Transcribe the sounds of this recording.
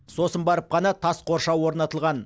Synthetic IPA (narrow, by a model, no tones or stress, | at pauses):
so̞sənbɑɾəp̚qɑnɑt̪ʰɑsqʰo̞ɾʃɑwwo̞ɾnɑt̪əlˠʁɑn